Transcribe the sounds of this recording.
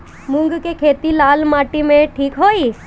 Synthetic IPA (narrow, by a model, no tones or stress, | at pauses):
mʊ̃ŋɡkekʰeːt̪ilaːlmaːʈimẽʈʰiːkɦoːiː